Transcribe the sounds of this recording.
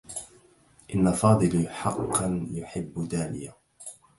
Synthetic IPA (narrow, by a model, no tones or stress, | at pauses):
ʔɪnːafɑːd̪ˤɨlħɑqːɑnjʊħɪbːd̪aːlɪ̰ja